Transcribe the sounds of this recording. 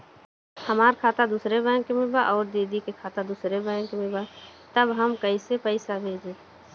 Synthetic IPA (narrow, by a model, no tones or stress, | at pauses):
həmaːɾkʰaːt̪ad̪usɾebə̃kemɪbaʔɔːɾd̪eːd̪ikekʰaːt̪ad̪usɾebə̃kemɪbat̪əbɦəmkəisepəɪsabʱeːd͡ʒeː